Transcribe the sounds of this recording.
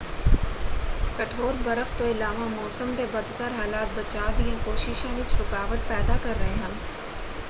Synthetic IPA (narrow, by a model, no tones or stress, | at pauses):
kɐʈʰoːɾbɐɾəft̪oɪlaːʋamɔːsəmt̪ebɐd̪k̪əɾɦaːlaːt̪̚bɐt͡ɕaːd̪ijãkoːʃɪʃẽʋɪt͡ʃɾʊkaːʋət̪̚pɛːd̪akɐɾːɐɦeɦɐ̃n̆